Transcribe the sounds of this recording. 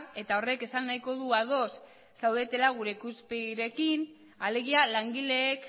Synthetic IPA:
e̞t̪ao̞re̞ke̞sanːajko̞ð̞uaðo̞sː | awðe̞t̪e̞laɣ̞uɾe̞ikuspeɾe̞kin | ale̞ɣ̞ialaŋɡile̞ːk

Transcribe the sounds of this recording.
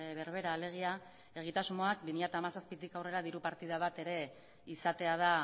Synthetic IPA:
βe̞ɾβe̞ɾaːle̞ɣ̞ia | e̞ɣ̞it̪azmo̞ak̚bimiʎat̪aːmasaspit̪ikawre̞ɾaðiɾupaɾt̪ið̞aβat̪e̞ɾe̞ | isat̪e̞aða

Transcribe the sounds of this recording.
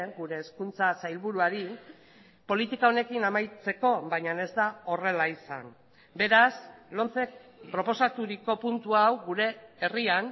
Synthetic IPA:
eŋɡuɾe̞ːskunt͡sasajlβuɾuaɾi | po̞lit̪ikao̞ne̞kinamajt͡se̞ko̞βajɲane̞zd̪ao̞re̞laisa̰n | be̞ɾaslo̞nt͡se̞k̚pɾo̞po̞sat̪uɾiko̞punt̪uawɡuɾe̞ːrian

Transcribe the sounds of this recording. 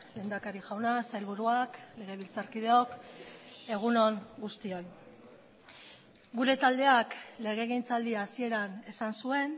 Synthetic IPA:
le̞ːnd̪akaɾiʝawnasajlβuɾuakle̞ɣ̞e̞β̞ilt͡saɾkið̞e̞o̞k | e̞ɣ̞uno̞ŋɡust̪io̞j | ɡuɾe̞t̪ald̪e̞akle̞ɣ̞e̞ːɣejnt͡sald̪iaːsie̞ɾane̞sansue̞n

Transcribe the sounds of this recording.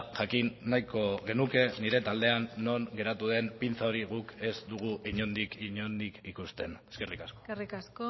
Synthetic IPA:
ʝakinːajko̞ɣe̞nuke̞niɾe̞t̪ald̪e̞anːo̞ŋɡe̞ɾat̪uð̞e̞npint͡sao̞ɾiɣ̞uke̞zd̪uɣ̞uʔiɲo̞nd̪ikiɲond̪ikikust̪e̞neskerikaskorikasko

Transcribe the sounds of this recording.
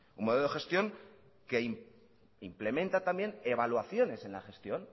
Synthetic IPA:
unmoeloexe̞st̪jo̞ŋ | ke̞im | imple̞mẽ̞nt̪at̪ambje̞ne̞βalwaθjo̞ne̞se̞nla̰xe̞st̪jo̞n

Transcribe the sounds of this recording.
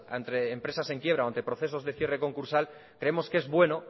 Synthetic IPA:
a̰nt̪ɾe̞ːmpɾe̞sase̞ŋkjeβɾaoant̪e̞pɾo̞θe̞s̬o̞zðe̞θje̞re̞ko̞ŋkuɾsal | kɾe̞emo̞ske̞zβwe̞no

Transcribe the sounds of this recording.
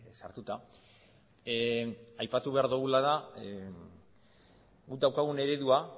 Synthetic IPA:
sa̰ɾt̪ut̪a | ajpat̪uβ̞e̞aɾðuɣulaða | ɡud̪awkaɣ̞une̞ɾe̞ðua

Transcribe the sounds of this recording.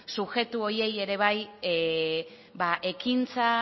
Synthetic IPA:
suxe̞t̪uo̞ɾje̞je̞ɾe̞β̞aj | baʔe̞kint͡sa

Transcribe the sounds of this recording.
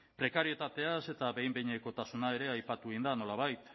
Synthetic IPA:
pɾe̞kaɾie̞t̪at̪e̞ase̞t̪aβe̞jmbejɲeko̞t̪asunae̞ɾe̞ajpat̪uind̪ano̞laβ̞ajt̪

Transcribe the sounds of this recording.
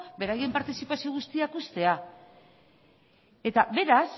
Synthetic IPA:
be̞ɾaje̞mpaɾt̪isipasio̞ɣ̞ust̪iakust̪e̞a | e̞t̪aβe̞ɾas

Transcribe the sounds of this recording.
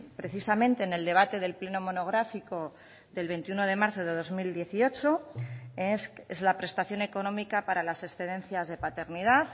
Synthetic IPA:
pɾe̞θisamẽ̞nt̪e̞ːne̞ld̪e̞β̞at̪e̞ðe̞lple̞no̞mo̞no̞ɣ̞ɾafiko̞ | ðe̞lβe̞nt̪iuno̞ð̞e̞maɾθo̞ð̞e̞ð̞o̞zmild̪je̞θio̞t͡ʃo̞esezlapɾe̞st̪aθjo̞ne̞ko̞nõ̞mikapaɾalase̞sθe̞ðe̞nθjazð̞e̞pat̪e̞ɾnið̞að

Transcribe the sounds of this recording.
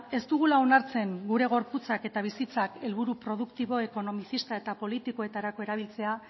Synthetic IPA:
e̞st̪uɣ̞ulao̞naɾt͡se̞ŋɡuɾe̞ɣ̞o̞ɾput͡sake̞t̪aβ̞isit͡sake̞lβuɾupɾo̞ð̞ukt̪iβo̞e̞ko̞no̞misist̪ae̞t̪apo̞lit̪iko̞e̞t̪aɾako̞e̞ɾaβilt͡se̞a

